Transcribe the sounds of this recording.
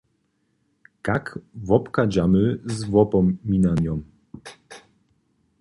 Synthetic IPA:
kakvɔpkad͡ʑamɘzvwɔpɔmːʲinanʲjɔm

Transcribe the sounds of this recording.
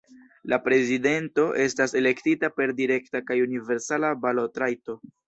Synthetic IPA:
lapɾe̞zide̞nto̞ʔe̞stase̞le̞ktitape̞ɾdiɾe̞ktakajunive̞ɾsalabalotɾajto̞

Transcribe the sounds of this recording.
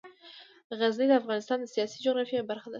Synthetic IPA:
ʁazlid̪əafʁɑnɪst̪ɑnd̪əsijɑsid͡ʒoɣɾɑfijabaɾχad̪ɪ

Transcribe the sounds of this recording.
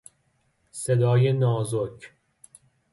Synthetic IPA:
sed̪ɒːjenɒːzokʰ

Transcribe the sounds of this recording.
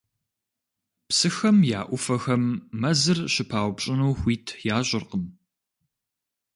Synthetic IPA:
psɨxɐmja̰ːʔʷʊfɐxɐmːɐzɨrɕɪpʰaːwʷpɕʼɪnuːxʷiːtʰjaːɕʷʼɪrqəm

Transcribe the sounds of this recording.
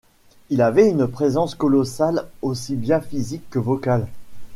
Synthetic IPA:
ilavɛynpχezɑ̃skɔlɔsalosibjãfizikːəvɔkal

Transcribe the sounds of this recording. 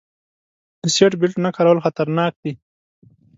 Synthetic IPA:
d̪̥əseʈbɪlʈnakaɾawəlxat̪aɾnɑːk̚d̪i

